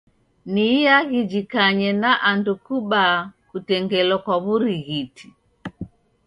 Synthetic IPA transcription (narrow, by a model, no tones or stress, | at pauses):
nijaɣid͡ʒikaɲɛnaʔandukuɓakutɛŋɡɛlɔkwaβuɾiɣitʰi̥